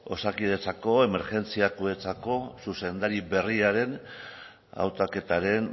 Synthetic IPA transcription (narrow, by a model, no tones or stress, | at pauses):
o̞sakiðe̞t͡sako̞eme̞ɾʝe̞nt͡siakue̞t͡sako̞suse̞nd̪aɾiβe̞riaɾe̞n | a̰wt̪ake̞t̪aɾe̞n